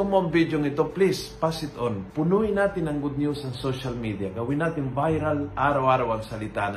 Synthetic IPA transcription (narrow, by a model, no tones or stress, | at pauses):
ʊmoɐŋbid̪joŋɪt̪oplispasɪt̪onpʊnujɪnaːt̪ɪnɐŋɡʊd̪̚njusɐŋsoʃɐlmid̪ijaɡɐwɪnːaːt̪ɪŋvajɾɐlʔaːɾɐwʔaːɾɐwɐŋsɐlɪt̪aːn